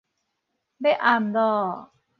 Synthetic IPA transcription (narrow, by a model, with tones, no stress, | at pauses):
be˥˩ʔa˧˩md̪ɔː˧˩